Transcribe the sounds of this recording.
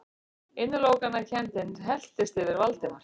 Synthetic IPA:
ɪnːʏloːwkanacʰɛnt̪ɪnɦɛl̥t̪ɪst̪ɪvɪɾvalt̪ɪnḁ

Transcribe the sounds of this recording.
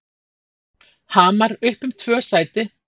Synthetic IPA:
haːmaɾʏhpʏmt̪ʰvœ̥ːsaːjt̪ɪ

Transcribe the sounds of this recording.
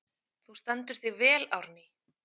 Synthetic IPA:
θust̪ant̪ʏɾ̥θɪvɛːla̰wɾnɪ

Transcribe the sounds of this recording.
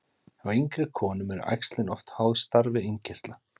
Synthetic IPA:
aɣejŋkɾɪkʰɔːnʏmɛɾa̰jkst̪lɪnɔft̪haːwðst̪aɾvɪeɲcɪr̥t̪la

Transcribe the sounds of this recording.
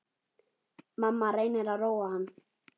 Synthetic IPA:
mamaɾanɛɾaɾɔwan

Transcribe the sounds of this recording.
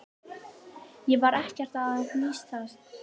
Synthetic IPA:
jɛvaɾɛhcɛr̥t̪aðakniːst̪ʰast̪

